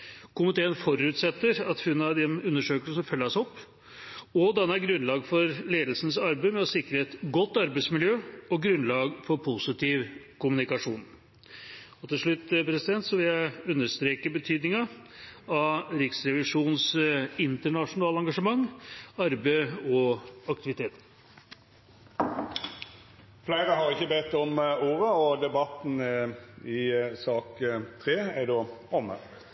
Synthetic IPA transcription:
kʊmɪt̪ʰeːənfɔɾʉːt̪sɛt̪ːəɾɑt̪hʉnːɑd̪ɛnʉnːəʂøːkələsmfœlːɑsɔpː | ɔd̪ɛnːəæɾɡɾʉnlɑːɡfɔɾleːd̪lsənsɑɾbeɪmɛɔsɪkɾəɛt̪ɡɔt̪ːɑɾbeɪtsmɪljøːɔɡɾʉnlɑːɡfɔɾpʰʊsɪt̪ʰiːʋkʰʊmnɪkɑʂuːn | ɔt̪ɪʂɭʉt̪ːpʰɾɛsɪd̪ɛnt̪sɔʋɪljæɪʉnːəʂt̪ɾeːkəbət̪ʰyːd̪nɪŋɑ | ɑɾɪksɾɛʋɪʂuːnsɪnt̪əɳɑʂʊnɑːləɑŋɡɑʂəmɑŋːɑɾbəɔɑkt̪ɪʋɪt̪ʰeːt̪ | flæɪʁəɦɑʁɪçːəbɛt̪ːɔmuːʁəɔd̪ɛbɑt̪n̩ | ɪsɑːkt̪ʰʁeːæɖoːʔɔmə̰

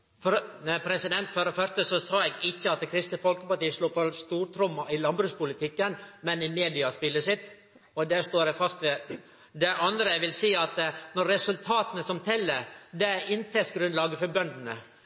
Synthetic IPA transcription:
fɔɾpʰɾɛsɪd̪ɛnt̪fɔɾɔfœɾst̪əsɔsɑːɛɡɪçːəɑt̪kʰɾɪst̪əfɔlkəpɑʈiːəsluːpɔst̪uːɾt̪ʰɾʊmɑʔɪlɑnbɾʉːspʊlɪt̪ʰɪkːənmɛnɪmeːd̪ɪɑspɪlːəʂɪt̪ː | ɔd̪æʂt̪oːɾɛfɑst̪ʋɛ | d̪ɛʔɑnd̪ɾəʋɪlsiːɑt̪nɔɾːɛsʉlt̪ʰɑːt̪ənəsɔmt̪ʰɛlːəd̪ɛæɪnt̪ʰɛsɡɾʉnlɑːɡəfɔɾbœnd̪nə

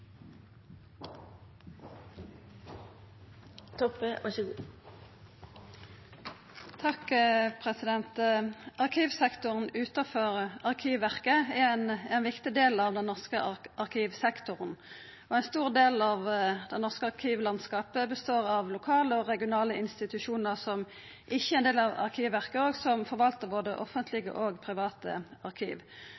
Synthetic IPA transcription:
t̪ʰɔpəʔɔʃəɡu | t̪ʰɑkpʰʁɛsɪd̪ɛnt̪ɑʁkʰiːʋsɛkt̪ʊʁənʉːt̪ɑfɔʁɑʁkʰiːʋʋæʁkəɛnɛnʋɪkt̪ɪd̪eːlɑʋd̪ɛnnɔʁskəʔɑʁkʰiːʋsɛkt̪ʊʁən | ɔæɪnst̪uːʁd̪eːlɑʋd̪ɛnɔʁskəɑʁkʰiːʋlɑnskɑːpəbəst̪oːʁɑʋlʊkʰɑːləɔʁɛɡɪʊnɑːləɪnst̪ɪt̪ʉʃuːnəʁsɔm | ʔɪçːəæʁɛnd̪eːlɑʋɑ̰ʁkʰiːʋʋæʁkəoːɡsɔmfɔʁʋɑlt̪əʁboːd̪əʔɔfənt̪ʰlɪɡə̰ʔoːɡpʰʁɪʋɑːt̪ə̰ɑʁkʰḭːʋ

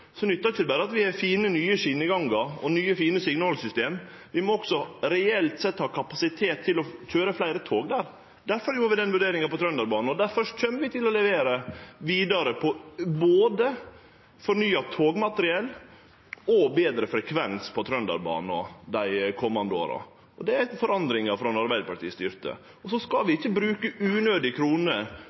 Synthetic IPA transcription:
sɔnʏt̪ːɑɾɪçəd̪ɛbæːɾəɑt̪ʋɪhɛfiːnənyːəʂɪnəɡɑŋɡəɾɔnyːəfiːnəsɪɡnəɔlsʏst̪eːm | ʋɪmɔɔɡ̥sɔɾɛɛlt̪sɛt̪ːhɑːkʰɑpɑsɪt̪ʰeːt̪ʰːɪlɔc͡çøːɾəflæɪɾət̪ʰoːɡd̪æːɾ | d̪æɾfɔɾjuːɾʋɪd̪ɛnʋʉɖeːɾɪŋɑpɔt̪ʰɾœnd̪ɑɾbɑːn̩ɔd̪æɾfœʂʈçœmːəɾʋɪt̪ɪlɔlɛʋeːɾəʋiːd̪ɑɾəpʰɔboːd̪ə | fɔɾnyːɑt̪ʰoːɡmɑt̪əɾɪɛlː | ɔbeːd̪ɾəfɾɛkʰʋɛnspʰɔt̪ʰɾœnd̪ɑ̰ɾbɑ̰ːnɔd̪æɪkʰɔmːɑnd̪əo̰ːɾɑ̰ | ɔd̪ɛæɾfɔɾɑnd̪ɾɪŋɑfɾɔɛnɑɾbæɪd̪pʰɑʈʰiːst̪ʏɾt̪ʰə̰ | ɔsɔskɑlʋɪɪçːəbɾʉːkəʉːnøːd̪ɪkʰɾuːnə

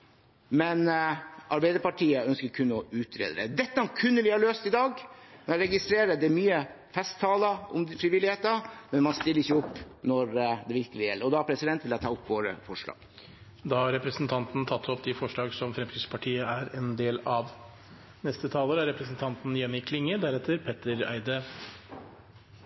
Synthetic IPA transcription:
mɛnʔɑɾbæɪd̪əɾpɑʈʰiːəœnskəɾkʰʉnːɔʉːt̪ʰɾḛːd̪əɾɛ̰d̪ɛt̪ːəɑkʰʉnːəʋɪhɑɾɭøːst̪ɪd̪ɑːɡnɛæɾɛɡɪst̪ɾeːɾəd̪ɛæɾmyːə | fɛst̪ʰːɑːləɔ̰mfɾɪʋɪlːɪheːt̪əmɛnmɑnst̪ɪlːɾɪçəʊpːnɔɾd̪ɛʋɪɾkəlɪjɛlːəɾɔd̪ɑpʰɾɛsɪd̪ɛnt̪ʋɪlɛt̪ʰɑːʊpːʋoːɾə̰fɔʂɭɑ̰ːɡ̥ | d̪ɑːhɑɾɛpɾəsnt̪ʰɑnt̪n̩t̪ʰɑt̪ʰːɔpd̪ɪfɔʂɭɑːɡsɔmfɾɛmskɾɪt̪spʰɑʈʰiːəæɾɛnd̪eːlɑʋ | nɛst̪ət̪ʰɑːləɾəæɾɛpɾəsn̩t̪ʰɑnt̪n̩jɛnɪkʰlɪŋːəd̪æɾɛt̪ʰːəɾpʰɛt̪əɾæ̰ɪd̪ə

